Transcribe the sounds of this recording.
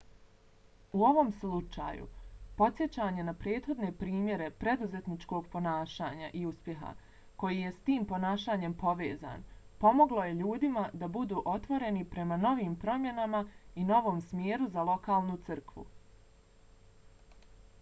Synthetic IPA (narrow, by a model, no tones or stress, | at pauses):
uo̞ʋo̞mslut͡ʃa̰ːjṵpo̞t̪sje̞t͡ɕaːɲe̞napɾe̞ːt̪xo̞d̪ne̞pɾiːmje̞ɾe̞pɾe̞d̪uze̞t̪nit͡ʃko̞ɡpo̞naːʃaːɲaʔiuspje̞ɦa̰ | ko̞jije̞st̪iːmpo̞naːʃaːɲe̞mpo̞ʋeːza̰ːn | po̞mo̞ɡlˠo̞jeʎuːd̪imad̪abud̪uːʔo̞t̪ʋo̞ɾe̞nipɾe̞mano̞ʋiːmpɾo̞mje̞namaino̞ʋo̞ːmsmjeːɾuzalˠo̞kaːlˠnut̪sɨrkʋṵ